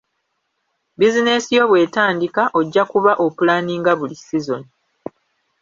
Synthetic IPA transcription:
bizine̞sijo̞βwe̞ːtaːndikaʔoɟːakuβaʔo̞pulaːniːŋɡaβulisizo̞ni

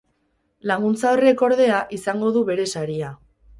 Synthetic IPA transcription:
laŋɡunt͡saore̞ko̞ɾðe̞aʔisaŋɡo̞ðuβe̞ɾe̞saɾia

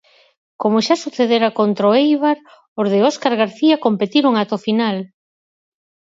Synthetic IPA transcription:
komoʃasuθeðeɾakont̪ɾoejβaɾ | ozðeoskaɾɣaɾθiakompet̪iɾoŋat̪ofinal

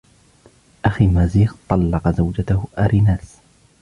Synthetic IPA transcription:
ʔaxiːmaːziːxt̪ˤɑlːɑqɑzawd͡ʒat̪ahʊʔaɾʔinaːs

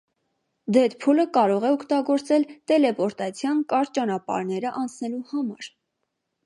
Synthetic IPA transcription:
d̪ɛt̪pʰuləkɑɾɔʁɛɔkt̪ɑɡɔɾt͡sɛlt̪ɛlɛpɔɾt̪ɑt͡sʰjɑnkɑɾt͡ʃɑnɑpɑ̰ɾnɛɾəʔɑnt͡sʰnɛluhɑmɑ̰ɾ

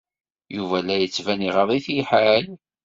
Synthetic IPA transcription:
juvælːæjət͡sːvæniʁəðˤiθiħæl

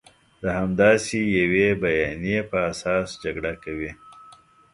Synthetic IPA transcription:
d̪əhamd̪ɑsejawebajɑnijepəasɑsd͡ʒaɡɽakawi

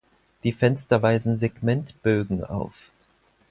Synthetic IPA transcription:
d̥iːfɛnstɐvaɪzn̩zeɡmɛntb̥øːɡŋ̩a̰ʊf

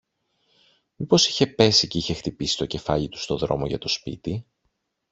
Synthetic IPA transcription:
ipo̞si̥çe̞pe̞siceiçe̞xt̪ipisi̥t̪o̞ce̞fɐʎit̪u̥st̪o̞ðɾo̞̰mo̞ʝɐ̰t̪o̞spḭt̪i

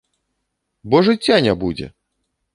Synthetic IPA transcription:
bɔʐɨt͡sʲːanʲabud͡zʲɛ̰

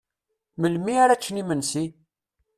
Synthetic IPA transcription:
məlmiaɾat͡ʃːnimənsi

